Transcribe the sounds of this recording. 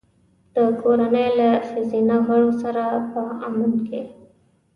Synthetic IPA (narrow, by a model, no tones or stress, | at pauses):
d̪̥əkoɾanəjlasizinaɣaɽosaɾapəamanke